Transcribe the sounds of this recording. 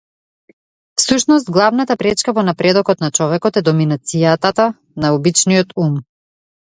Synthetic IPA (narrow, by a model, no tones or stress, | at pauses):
fsuʃnɔs̬t̪̚ɡlˠavnat̪apɾɛt͡ʃkavɔnapɾɛd̪ɔkɔt̪nat͡ʃɔvɛkɔt̪ɛd̪ɔminat̪sijat̪at̪a | naubit͡ʃnijɔt̪um